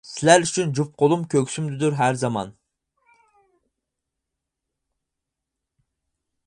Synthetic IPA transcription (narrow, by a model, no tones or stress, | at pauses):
sɪlæɾyt͡ʃʰynd͡ʒup̚qʰolˠumkʲʰøkʲsymd̪ɪd̪uɾɦæɾzɑmɑ̰n